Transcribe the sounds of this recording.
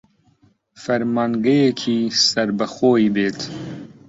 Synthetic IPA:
fɐɾmaːŋɡɐjekʰiːsɐɾbɐxoːibeːt̪ʰ

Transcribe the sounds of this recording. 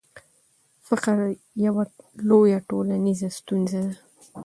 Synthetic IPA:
faqaɾ | jawalojaʈolanizast̪unzad̪a

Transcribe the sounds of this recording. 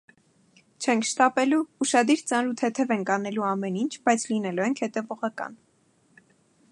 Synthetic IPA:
t͡ʃʰɛŋkʰʃt̪ɑpɛluuʃɑd̪iɾt͡sɑnɾut̪ʰɛt̪ʰɛvɛŋkɑnɛluɑmɛnint͡ʃʰbɑjt͡sʰlinɛluɛŋkʰhɛt̪ɛvɔʁɑkɑ̰n

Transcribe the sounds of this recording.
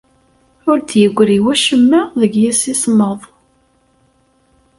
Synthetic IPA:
ʊɾd̪jəɡʷːɾiwæʃəmːəðəɡjæsisməðˤ

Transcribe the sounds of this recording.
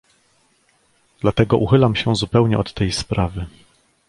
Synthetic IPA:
d̪̥lat̪ɛɡɔʔuxɘlamɕɛzupɛwɲɛʔɔt̪ːɛjspɾavɘ

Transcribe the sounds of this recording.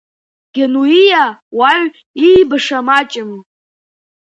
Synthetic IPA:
ɡ̥ʲenuijawaɥ | iːbɨʂamat͡ʃʼɪm

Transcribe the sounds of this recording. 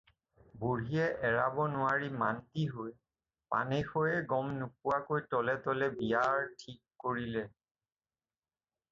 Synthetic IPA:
buɹɦijɛʔɛɹabɔnʊwaɹimantiɦoj | pa̰nɛxojɛɡɔmnup̚uwakojtɔlɛtɔlɛbiaɹtʰikːoɹilɛ

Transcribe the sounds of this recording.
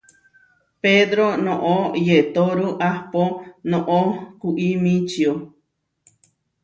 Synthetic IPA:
ped̪ɾonõʔojet̪oɾuʔahponõʔokuʔimĩt͡ʃio

